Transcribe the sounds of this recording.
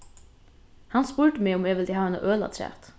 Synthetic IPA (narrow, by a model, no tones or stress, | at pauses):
hɑnspuːɹʈəmeːʊmeːʋɪld̪iːɑːɛnə̰ʔøːlɑ̰t̪ʰɾæ̰ːt̪